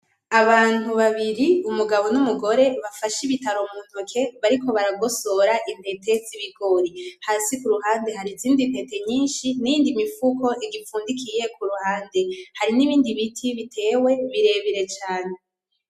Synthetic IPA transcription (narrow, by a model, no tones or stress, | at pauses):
aβaːn̥uβaβiɾiumuɡaβo̞numuɡo̞ɾe̞βafaʃiβitaɾo̞mun̥okʰe̞βaɾiko̞βaɾaɡo̞so̞ɾaʔin̥etʰe̞ziβiɡo̞ɾihaːsikuɾuɦaːnde̞ɦaɾiziːndipe̞te̞ɲiːnʃinijiːndimifuko̞ʔiɡifuːndikʰije̞kuɾuhaːnde̞haɾiniβiːndiβitʰiβitʰe̞ːwe̞βiɾe̞βiɾe̞t͡ʃaːne̞